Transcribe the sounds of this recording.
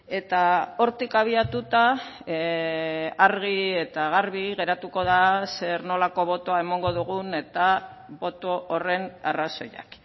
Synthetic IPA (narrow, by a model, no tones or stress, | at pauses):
e̞t̪ao̞ɾt̪ikaβ̞iat̪ut̪a | aɾɣ̞ie̞t̪aɣaɾβiɣe̞ɾat̪uko̞ðase̞ɾno̞lako̞β̞o̞t̪oae̞moŋɡo̞ðuɣ̞une̞t̪a | βo̞t̪oʔːre̞na̰raso̞ja̰k